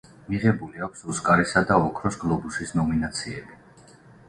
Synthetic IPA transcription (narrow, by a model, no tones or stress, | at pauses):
miʁɛbuliakʷʰsuskʼaɾisad̪aɔkʰɾɔsɡlˠɔbusisnɔminat̪sʰiɛbi